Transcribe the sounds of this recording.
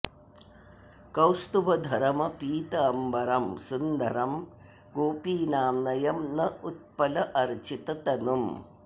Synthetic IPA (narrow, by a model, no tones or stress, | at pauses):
kɐwst̪ubʱɐd̪ʱɐɾɐmɐpiːt̪ɐɐmbɐɾɐmsund̪ɐɾɐm | ɡoːpiːnaːmnɐjɐmnɐut̪̚pɐlɐʔɐɾt͡ʃit̪ɐt̪ɐnum